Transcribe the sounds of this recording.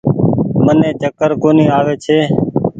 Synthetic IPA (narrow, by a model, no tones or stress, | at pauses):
mənẽːt͡ʃəkəɾkoːnĩːaːʋeːt͡ʃʰeː